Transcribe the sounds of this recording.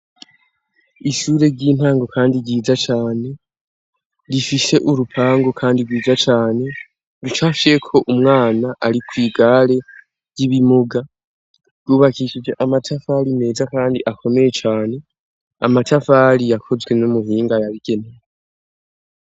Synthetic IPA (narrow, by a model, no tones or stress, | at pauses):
iʃuːɾe̞ɾɟiːn̥haːŋɡo̞kʰaːndiɾɟiːzat͡ʃaːne̞ | ɾifise̞ʔuɾupʰaːŋɡo̞kʰaːndiɾɡwiːd͡zat͡ʃaːne̞ | ɾut͡ʃafiekʰo̞ʔumŋaːnaʔaɾikwiːɡaɾe̞ | jiβimuɡa | ɾɡuːβakiʃid͡ʒe̞ʔamatʰafaɾime̞ːzakaːndiʔakʰo̞me̞je̞t͡ʃaːne̞ | a̰matafaɾijakʰo̞zɡwe̞numuhiːŋɡajaβiɡe̞nejee